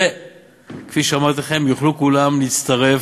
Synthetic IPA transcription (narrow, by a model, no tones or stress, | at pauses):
e | kfiʃeamaʁt̪laχe̞mjuχlukulamliːt͡st̪ɐʁe̞f